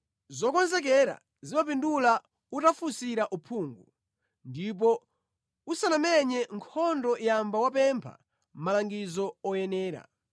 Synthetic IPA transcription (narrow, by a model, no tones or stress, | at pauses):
zɔkɔnzɛk̬ɛɾa̰ | zimap̬indula | utafusiɾaʔupʰuːŋɡu | ndip̬ɔ | usanamɛɲɛŋkʰɔndɔjambawapɛmpʰa̰ | m̩malaŋɡizɔɔjɛnɛːɾa̰